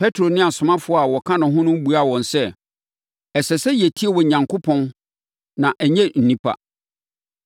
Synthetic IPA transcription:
pʰɛ˦tʰɾo˨nɪ̃˦a˨sʊ̃˨mã˦fʊ˦a˨wɔ˨kʰã˦nʊ̃˨ɦʊ̃˦nʊ̃˦m˦bu˨a˦˨wɔ̃˨nsɛ˦ | ɛ˨sɛ˨sɛ˦je˨tʰi˦e˦˨wɔ˨ɲã˨ŋkʰo˦pʰɔ̃˦n | nã˨ʔɛ˨ɲɛ̃˦n̩˨nĩ˦pʰa̰˦˨

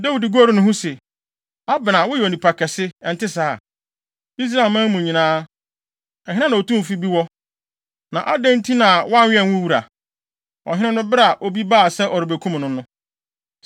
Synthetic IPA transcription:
da˦wi˨di˨ɡo˦ɾi˦nʊ̃˦ɦʊ̃˦se˨ | a˦bɪ˨nã˨wʊ˦jɛ˨o˨nĩ˨pʰa˨kʰɛ˨sɪ˦ɛ˨n̩˨tɪ˦saː˦˨ | i˦s̬ɾa˦˨lmã˦mmũ˨ɲĩ˨nãː˦ | ɛ˨ɦɪ̃˦ã˦nã˨o˨tũ˦m˨fi˦bi˦wɔ˦ | nã˨ʔa˦dɛ̃˦n˦tʰĩ˦nã˨wɔ˦a˦ɪ˦ɛ̃˨nwʊ̃˦wu˦˨ɾa̰˨ | ɔ̰˨ɦɪ̃˦nɪ̃˦nʊ̃˦bɪ˦ɾa˨ʔo˦bi˦baː˦˨sɛ˦ʔɔ˨ɾɪ˨be˨kʰũ˦mnʊ̃˦nʊ̃˦

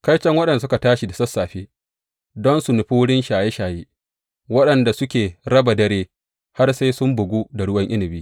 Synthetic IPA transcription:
kɐ˦jt͡ʃɐ˦ŋwɐ˦ɗɐ˨n˨s̬ʊ˦ka˨taː˦ʃi˨da˨sɐ˦sːaː˨ɸeː˦ | dɔ˦nsu˨nʊ˨ɸu˦wɽɪ˦nʃaː˨je˦ʃaː˨jeː˦ | wɐ˦ɗɐ˨nda˨sʊ˦kʲeː˨ɾɐ˦ba˨dɐ˦ɽeː˦ | ha˦rsa˦jsʊ˦mbʊ˨ɡʷuː˦da˨ɽʊ˦wɐ˦ŋʔɪ˦nɪ˨biː˦

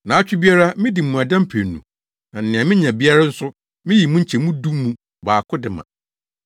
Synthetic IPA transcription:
nã˨a˦t͡ɕᶣɪ˦bi˦a˦ɾa˦mɪ̃˦di˨mũ˨a˨dã˦mpʰe˨n˨nːṵ̃˨ | nã˨n̩˨nɪ̃˨ã˨mɪ̃˦ɲã˨bi˦a˦ɾa˦n̩˦sʊ˦ | mɪ̃˦ji˨mũ˦ɲ̩˦t͡ɕʰɛ˨mũ˦du˦mũ˨ | baː˨kʰʊ˦dɪ˨mã̰˨

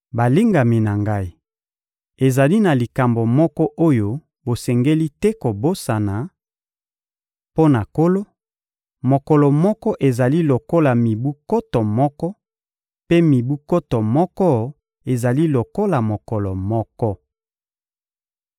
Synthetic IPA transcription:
ba˨li˦ŋɡa˨mi˨na˨ŋɡa˦i˨ | e˨za˨li˦na˨li˨ka˨mbo˨mɔ˦kɔ˦ʔo˦jo˦ | bo˨sɛ˨ŋɡe˦li˦tɛ˦ko˨bo˦sa˨na˨ | po˦na˨ko˦lo˦ | mo˨kɔ˨lɔ˨mɔ˦kɔ˦ʔe˨za˨li˦lo˨ko˦la˨mi˨bu˦ko˦tɔ˨mɔ˦kɔ˦ | pe˦mi˨bu˦ko˦tɔ˨mɔ˦kɔ˦ | e˨za˨li˦lo˨ko˦la˨mo˨kɔ˨lɔ˨mɔ˦kɔ˦

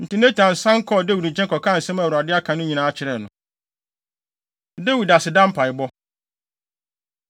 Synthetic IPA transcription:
n̩˨tʰɪ˨nɛ̃˦t͡ɕʰã˨n̩˨sã˦ŋ̩˦kʰɔ˦˨de˦wu˨d̩˨t͡ɕʰɛ˦kɔ˨kʰa˦˨n̩˨sɛ̃˦ma˨wa˨dɪ˦a˦kʰã˨nʊ̃˦ɲĩ˨nã˨˦t͡ɕʰɪ˨ɾɛ˨nʊ̃˨ | de˦wu˨da˨sɪ˨dã˦m̩˦pʰa˨ɪ˨bɔ˦

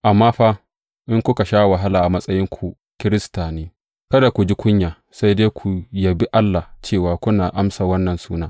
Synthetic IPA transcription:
ʔa˨mːaː˦ɸaː˦ | ʔɪ˦ŋkʷʊ˦ka˨ʃaː˦˨wa˨ɦa˦laː˨ʔa˨mɐ˦sʼɐ˦jɪ˦ŋkʷʰu˨ | kʲɪ˦ɾɪ˦staː˨neː˦ | kɐ˦da˨kʷu˨d͡ʒi˦kʷʊ˦ɲjaː˨ | sa˦jde˦kʷʰu˨jɐ˨bi˦ʔa˦lːa˨t͡ʃeː˦˨waː˨kʷʊ˦naː˨ʔa˦msaː˨wɐ˦nːɐ˨nsuː˦naː˦

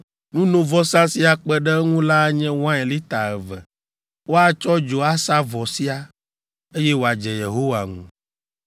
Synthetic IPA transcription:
nũ˦nõ˦vɔ˦sã˦si˦a˨k͡pɛ˦ɖɛ˦ŋũ˦la˦ɲɛ̃˦w̃ã˦e˨li˦t̪a˨ɛ˨vɛ̰˨ | wo˦a˦t͡ʃɔ˦d͡ʒo˨a˦sa˦vɔ˨si˦a˦ | e˦jɛ˦wo˨a˨d͡ʒɛ˨je˨ɦo˦wa˨ŋṵ̃˨

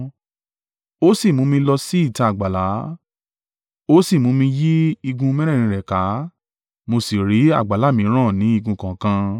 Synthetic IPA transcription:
o˦si˦˨mũ˨˦mĩ˧lɔ˧si˦i˦˨ta˧a˨ɡ͡ba˨la˨˦ | o˦si˦˨mũ˨˦mĩ˧ji˦i˧ɡũ˧mɛ˦ɾ̃ɛ̃˦˨ĩ˧ɾɛ˨ka˨˦ | mo˧si˨ɾi˨˦a̰˦˨ɡ͡ba˨la˨˦mĩ˨˧˦ɾ̃ã˦˨nĩ˨˦i˧ɡũ˧kã˨kã˧

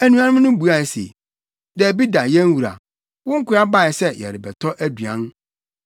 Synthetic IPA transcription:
æ˨nũ˦a˦nʊ̃˦m˦nʊ̃˦bu˨˦a˨ɛ˨sḛ˨ | dɛ˨bi˦da˨jɛ̃˦n˦wu˨ɾa̰˨ | wʊ̃˦ŋ̩˦kʊ˦a˦ba˦˨ɛ˨sɛ˦jɛ̰˨ɾɪ˨bɛ˨tʰɔ˦ʔæ˦dɥã̰˨˦n˦

